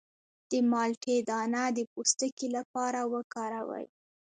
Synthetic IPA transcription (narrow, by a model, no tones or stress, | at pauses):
d̪̥əmɑlʈʰed̪ɑnad̪əpust̪əkelapɑɾawəkɑɾawə̰j